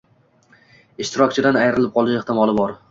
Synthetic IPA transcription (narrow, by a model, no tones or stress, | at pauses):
ɪʃt̪ʰɪɾɒkʲt͡ʃʰɪd̪anajɾɪlɪp̚qʰɒlˠɪʃeht̪ɪmɒlˠɪbɒɾ